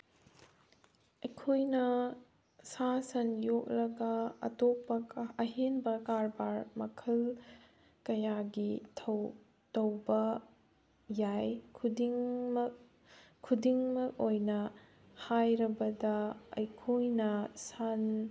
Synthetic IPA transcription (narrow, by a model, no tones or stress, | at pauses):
ɐjkʰojnɐ | sasɐnjok̚lɐɡɐɐ̰top̚ːɐɐɦenbɐkaɾbaɾmɐkʰɐl | kɐjaɡitʰ | tɐwbɐ | jajkʰdŋ | kʰːudiŋmɐk̚ojnɐ | hajɾɐbɐdɐɐjkʰojnɐsan